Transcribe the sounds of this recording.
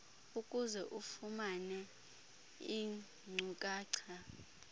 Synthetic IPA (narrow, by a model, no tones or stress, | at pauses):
ukʼuzɛʔufumanɛ | i | ŋ͡ǀʱukʼaːǀʰa